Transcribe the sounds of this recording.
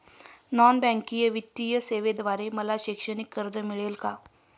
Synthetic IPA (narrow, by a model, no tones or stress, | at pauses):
nɔnbɛ̃ŋkijəʋit̪ːijəseʋed̪ʋaɾeməlaɕikʂəɽ̃ikːəɾd͡zəmiɭelka